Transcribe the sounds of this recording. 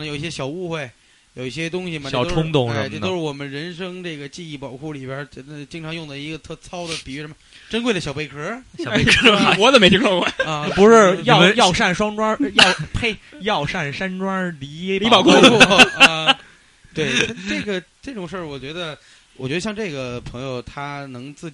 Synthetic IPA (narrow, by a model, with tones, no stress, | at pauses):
jo˨˩i˥˩ɕjɛ˥ɕjɑ˨˩ʊu˥˧xwe˥˩ɪ | jo˨˩ʊi˥˩ɕjɛ˥t̪ʊ˥ŋɕi˨m˨˩jɑ˥˨˩ʊʈ͡ʂʰʊ˥ŋt̪ʊ˥˩ŋ˧˩˥o˥ʊʂɻ̩˥˩wɔ˨˩mə˦nɻə˧˥nʂɤ˥ŋʈ͡ʂɤ˥˩ɡə˩t͡ɕi˥˧i˥˩pɑ˨˩ʊkʰu˥˩li˨˩bjə˧˥˧t͡ɕi˥ŋʈ͡ʂʰɑ˧˥ŋjʊ˥˩ŋd̪ə˩i˧˥ɡə˧t̪ʰɤ˥˩t͡sʰɑ˥ʊd̪ə˨pi˨˩y˧˥ʂə˧˥mə˧ | ʈ͡ʂə˥nkwe˥˩ɪdə˩ɕjɑ˨˩ʊpe˥˩kʰə˧˥˨ | wɔ˨˩˦d̪ə˨me˧˥ɪt̪ʰi˧˥o˥˧kwe˥˩ə˧˩˧pu˧˥ʂɻ̩˥˧jɑ˨˥˧m˦jɑ˥˧ʊʂa˥˩nʂwɑ˥ŋʈ͡ʂwa˥jɑ˥˩ʊpʰe˥˩ɪjɑ˥˧ʊʂa˥˩nʂa˥nʈ͡ʂwa˥li˧˥jɛ˥i˥ɑ˨˩ʊkʰo˥˧˥ | t̪we˥˩ɪ˥ʈ͡ʂɤ˥˩ɡə˩ʈ͡ʂɤ˥˩ʈ͡ʂʊ˨˩ŋʂə˞˥˩wɔ˨˩t͡ɕɥɛ˧˥d̪ə˧ | wɔ˨˩t͡ɕɥɛ˧˥d̪ɕjɑ˥˧ŋʈ͡ʂɤ˥˩ɡə˩pʰɤ˧˥ŋjo˧ʊt̪ʰa˥nɤ˧˥ŋt͡sɹ̩˥˩t͡ɕ